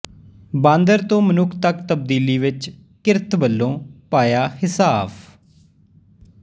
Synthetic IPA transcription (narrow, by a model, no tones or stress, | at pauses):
bãːnd̪əɾt̪õːmənʊkʰt̪əkt̪əb̚d̪iːliːʋɪt͡ʃ | kɪɾt̪bəlːõːpaːjaːhɪsaːp